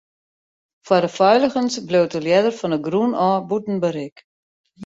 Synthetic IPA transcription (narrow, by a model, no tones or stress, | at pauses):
fwadəfœɥləɣənsblewtəljɛdərfɔnəɡrunɔːbutn̩bəɾɪk